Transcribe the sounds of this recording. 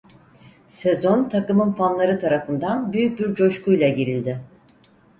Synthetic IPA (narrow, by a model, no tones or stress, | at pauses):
se̞zo̞nt̪ʰakɯmɯnpʰanlˠaɾɯt̪ʰaɾafɯnd̪anbyjyc̚ʲbiɾd͡ʒo̞ʃkujlˠaɟeɾilʲd̪ɪ